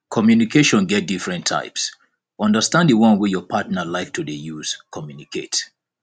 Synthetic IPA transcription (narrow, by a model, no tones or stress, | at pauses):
kʰɔmjunikʰeʃɔ̃nɡɛt̚difɹɛ̃ntʰa̰ɪps | ɔ̃ndəstãndəwɔ̃nwejɔpʰatnəlaɪk̚tʰudejuz̥kʰɔmjunikʰḛt